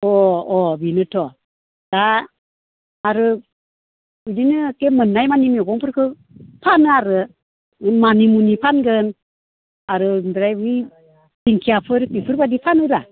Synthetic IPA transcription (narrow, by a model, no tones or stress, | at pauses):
ɔɔbinɯtʰɔ | d̥a | ɾɯ | uninɯkemɯnːajmanimiɔɡɔŋpʰɯɾkʰɯ | pʰanɯaɾɯ | manimunipʰanɡɯn | aɾɯndɯɾajbɯj | diŋkʰiapʰɯɾbipʰɯɾbadipʰanɯɾa